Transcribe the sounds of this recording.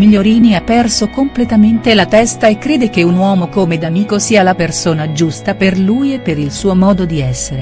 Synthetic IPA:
miʎːoɾiːniapːɛrsokomplet̪ament̪elat̪ɛst̪aekːɾeːd̪ek̟eunwɔːmokomed̪amiːkosiːalapersoːnad͡ʒust̪aperluːjepːeɾilsuːomɔːd̪od̪iɛsːeɾe

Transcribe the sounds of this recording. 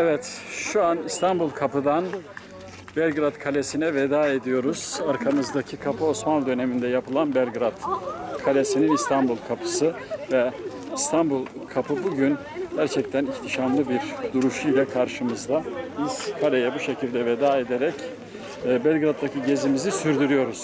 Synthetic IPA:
evɛt̪ʃuanist̪ʰanbulˠkʰapɯd̪an | bælʲɡɾat̪kʰalʲesinɛved̪aːe̞d̪ijo̞ɾuz̥aɾkʰanɯzd̪acʰikʰapʰɯo̞smanlˠd̪ø̞ne̞mind̪ɛjapɯlˠanbɛlʲɡɾat̪kʰalʲesininist̪ʰanbulˠkʰapʰɯ̥sɯvɛist̪ʰanbulˠ | kʰapʰɯbuɟyn | ɟæɾt͡ʃʰɛc̚t̪ʰæniçt̪ʰiʃanlˠɯbiɾd̪uɾuʃujlʲakʰaɾʃɯmɯzd̪abiz̥kʰalʲe̞jɛbuʃe̞cʰilʲd̪ɛved̪aːe̞d̪eɾɛcː | bælʲɡɾat̪ːacʰiɟe̞zimizisyɾd̪yɾyjo̞ɾuz̥

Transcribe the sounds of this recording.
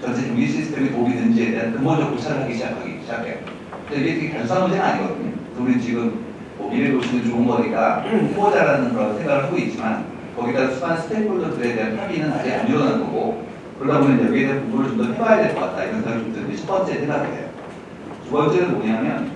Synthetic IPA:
t͡ɕʌnt͡ɕʰet͡ɕoŋɡiɕʰisʰɯ̥tʰe̞mikoɡinɯnd͡ʑie̞te̞ɦantɯŋʌd͡ʑʌk̚kut͡ɕʰaɾɯɭɦaɡiɕʰid͡ʑakʰaɡḭɕʰid͡ʑakʰe̞jo̰ | kɯndeiɡetʰɯkekjʌɭs͈ʰanmund͡ʑenɯnaɲiɡʌdɯɲo̰ɯsʰʌuɾit͡ɕiɡɯm | oɡiɾeboɭɕʰinɯnt͡ɕoɯnɡʌɡiɡapʰebʌd͡ʑaɾanɯnɡɯɾʌnsʰeɡaɾɯɭɦʰaɡoit̚t͡ɕ͈iman | kʌɡidasʰumansʰɯ̥tʰeboɭdotɯɾe̞te̞ɦanpʰaɡinɯna̰d͡ʑea̰niɾʌnɯnɡʌ̰ɡo | kɯɾʌkʰabomjʌnjʌɡiedeanpoŋboɾɯɭt͡ɕomdoɸʰewajadeɭk͈ʌk͈at̚t͈aiɾʌnsʰaŋoomdɯɾit͡ɕʰʌp͈ʌnt͡ɕ͈e̞tʰeɡaɡɯdʰḛjo̰ | t͡ɕuɡʌjot͡ɕ͈eɾɯnmoɲamjʌn

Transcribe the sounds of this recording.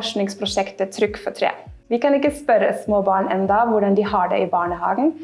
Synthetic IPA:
ʂnɪŋspʰɾʊʃɛkt̪ət̪ʰɾʏkːfɔt̪ʰɾḛː | ʋɪkɑnɪkːəspœɾə̰smoːbɑːɳɛnd̪ɑʋʊɖɑnd̪ɪːhɑɖɛ̰ʔiːbɑːɳəhɑːɡən̩

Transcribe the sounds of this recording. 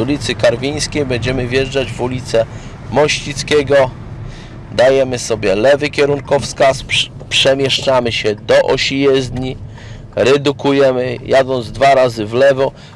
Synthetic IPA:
ulʲit̪sɘkaɾvʲij̃skʲejbɛɲd͡ʑɛmɘvʲjɛʐd͡ʐad͡ʑvulʲit̪sɛ | mɔɕit̪skʲɛɡɔ | d̪ajɛmɘsɔbʲjɛlɛvɘkʲɛɾuŋkɔfskas | pʂɛmʲjɛʂt͡ʂamɘɕɛd̪ɔʔɔɕijɛzd̪ɲi | ɾɛd̪ukujɛmɘjad̪ɔnd̪zd̪vaɾazɘvlɛvɔ

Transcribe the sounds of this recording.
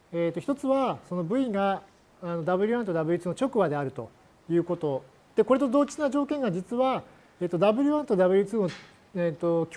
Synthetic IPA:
eːt̪ːo̞çi̥t̪o̞t͡sɨβaso̞no̞bɯ̟ĩŋɡaː | no̞d̪abɯ̟ɾʲiãnt̪o̞d̪abɯ̟ɾʲit͡sɨːno̞t͡ɕo̞kɯ̟bad̪e̞aɾɯ̟t̪o̞̰ | jɯ̟ːko̞t̪o̞ | d̪̥e̞ko̞ɾe̞t̪o̞d̪o̞ːt͡ɕinaʑo̞ːkẽ̞ŋɡad͡ʑit͡sɨβa | eːt̪od̪abɯ̟ɾʲiβãnt̪o̞d̪aβɯ̟ɾʲit͡sɨːo | eːt̪o̞kʲ

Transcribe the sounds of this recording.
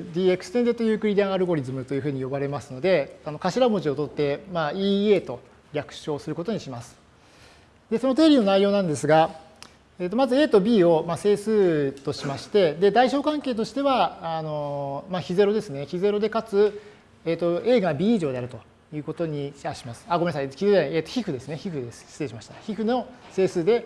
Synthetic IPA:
d̪ʲiːe̞kɯ̟̥sɨ̥t̪end̪et̪ojɯ̟ːkɯ̟ɾʲid̪ãɰ̃aɾɯ̟ɡo̞ɾʲizɨmɯt̪o̞jiɯ̟ɸɯ̟ːɲ̟ijo̞baɾe̞masɨno̞d̪e̞ano̞kaɕiɾamoʑio̞t̪o̞t̪ːe̞maːiːe̞ːt̪o̞ | ɾʲakɯ̟̥ɕo̞ːsɨɾɯ̟ko̞t̪o̞ɲ̟iɕimasɨ̥ | d̪e̞so̞no̞t̪e̞ːɾʲino̞naijo̞ːnãnd̪e̞sɨɡa | eːt̪ːo̞mazɨe̞ːt̪o̞bʲiːo̞mase̞ːsɨːt̪o̞ɕimaɕi̥t̪e̞d̪e̞d̪aiɕo̞ːkãŋke̞ːt̪o̞ɕi̥t̪e̞βaːno̞maçize̞ɾod̪e̞sɨne̞çize̞ɾo̞d̪e̞kat͡sɨ | eːt̪ːo̞e̞ːɡabʲiːiːʑo̞ːd̪eaɾɯ̟t̪o̞ | jɯ̟ːko̞t̪o̞ɲ̟iaɕi̥masɨ̥aːɡo̞menasaiçizeaeːt̪ːo̞çʲihɯ̟d̪e̞sɨne̞çiɸɯ̟d̪e̞sɨ̥seːɕimaɕi̥t̪açiɸɯ̟no̞se̞ːsɨːd̪e̞

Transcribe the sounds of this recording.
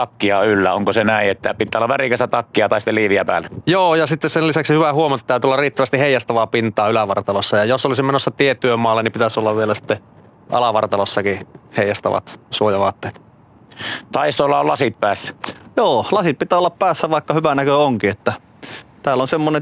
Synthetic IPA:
t̪ɑkːiɑylːæoŋkosenæˑiʔet̪ːæpit̪ːˑæolːɑʋʋærikæst̪æt̪ɑkːiɑt̪ɑˑist̪eliːʋiæpæ̰ːlːæjoːjɑsit̪ːesselisæksihyʋæhuomɑt̪ːt̪æˑyt̪yolːɑrriːt̪ːæʋæst̪iheijɑst̪ɑʋɑːpint̪ˑɑːylæʋɑrt̪ɑlosːɑjɑjosolisimenosːɑt̪iet̪ːˑyømmɑːlːenipit̪æsolːɑʋʋielæsi̥t̪ːe | ʔɑ̰lɑʋɑrt̪ɑlosːɑkiheˑijɑst̪ɑ̰ʋɑ̰t̪suojɑʋɑːt̪ːeːt̪ | t̪ɑist̪olːɑollɑsit̪̚pæːsːæ̥joːlɑsit̪̚pit̪æːolːɑppæːsːæʋɑˑikːɑhyʋænækøoŋkiet̪ːæ | t̪æːlːonsemːone

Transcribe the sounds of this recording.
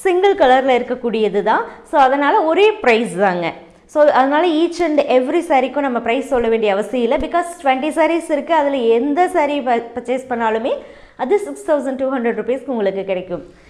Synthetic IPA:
sɪŋɡɐɭkɐlɐɾɪlɐɪɾɯkːɐkːuːɽɪjɐðɯt̪ãːsoːɐðɐnaːlɐɔɾeːpɾɐɪsðaːŋɡɐ | soːɐðɐnaːlɐiːt͡ʃːɐɳɖɛʋɾisaːɾikːʊ̃nɐmːɐpɪɾɐɪssɔlːɐʋeːɳɖɪjɐʋɐsɪjɐɪlːɐbɪkaːsʈʋɛɳʈisaːɾisɪɾɯkːɯɐðɪlɛnd̪ɐsaːɾipɾɐt͡ʃːeːspɐɳːaːlɯmeː | ɐðɯsɪkst̪ʰɐʊsɐɳɖʈuːɦɐɳɖɾɐɖɾupeːskʊŋɡɐɭɯkːɯkːɪɽɛkːɯm

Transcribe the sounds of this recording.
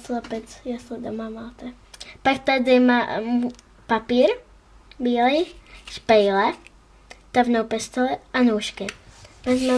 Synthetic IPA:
slapɛt͡sjasɛd̪ɔmamalt̪ɛ | pakt̪ad̪ɪma | papiːɾ | biːliʃpɛjlɛ | t̪avnɔwpɛst̪ɔlɛanuːʃkɛmɛzma

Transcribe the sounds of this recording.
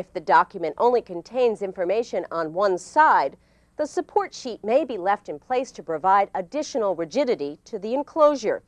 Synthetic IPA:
ɨfðɨdɑkjɨmɨ̃ntʔõ̰ʊ̃nlikʰɨ̃ntʰẽɪ̃nzɪ̃ɱfə˞meɪʃɨ̃nə̃nwʌ̃nsaɪd̪̚ | ðəsɨpʰɔɹtʃit̚meɪbilɛftɨ̃npʰl̥eɪstʰɨpɹ̥ɨvaɪɾɨdɪʃɨnl̩ˠɹɨd͡ʒɪɾɨɾiɾɨðiɨ̃nkʰl̥oʊʒə̰˞

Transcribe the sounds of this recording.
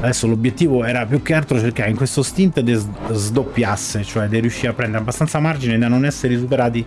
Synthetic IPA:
ad̪ɛsːolobjet̪ːiːvoɛːɾapjuk̟ːealt̪ɾot͡ʃerkaːɾeiŋkwest̪ost̪int̪d̪ezzd̪opːjasːet͡ʃoɛd̪ːerjuʃːiːapːɾɛnd̪eɾeabːast̪ant̪samard͡ʒined̪anːonɛsːeɾisupeɾaːt̪i

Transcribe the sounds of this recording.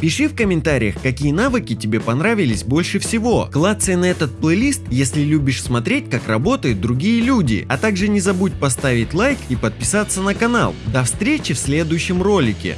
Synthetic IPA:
pʲɪʂɨfkəmʲɪnt̪aɾʲɪjəxkɐkʲijənavɨkʲɪtʲɪbʲe̞pɐnɾavʲɪlʲɪsʲbo̞lʲʂɨfsʲɪvo̞klˠat̪sɨjənɐɛt̪ət̪̚plˠɨlʲist̪jesʲlʲɪlʲubʲɪʂsmɐt̪ɾʲet̚ʲkakrɐbo̞t̪əjʊt̪̚d̪ɾʊɡʲijəlʲudʲɪ̰ɐt̪aɡʐɨnʲɪzɐbut̚ʲpɐst̪avʲɪtʲlˠajkipət̪̚pʲɪsat̪sənəkɐna̰lˠd̪ɐfst̪ɾʲet͡ɕɪfsʲlʲe̞d̪ʊjʉɕːɪmro̞lʲɪkʲɪ̰

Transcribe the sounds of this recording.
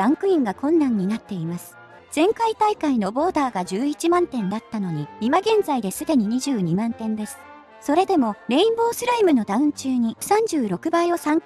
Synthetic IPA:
ɾãŋkɯ̟ĩŋɡakõ̞nːãɲ̟ːinat̪ːe̞imasɨ̥ | z̥ẽ̞ŋkait̪aikaino̞bo̞ːt̪aːɡaʑɨːit͡ɕimãnt̪ẽ̞nd̪at̪ːano̞ɲ̟iimaɡẽ̞nd͡zaid̪e̞sɨd̪e̞ɲ̟iɲ̟iʑɨːɲ̟imãnt̪ẽ̞nd̪e̞sɨ̥ | so̞ɾe̞d̪e̞mo̞ɾe̞ĩmbo̞ːsɨɾaimɯ̟no̞d̪aɯ̟̃ɲ̟t͡ɕɨːɲ̟isãɲ̟d͡ʑɨːɾo̞kɯ̟baio̞sãŋ

